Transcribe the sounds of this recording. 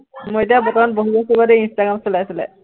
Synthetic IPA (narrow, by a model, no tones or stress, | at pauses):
mojet̬ijabɔtɔmanboɦubɔkubadeinstaɡamsolajasilɛ̰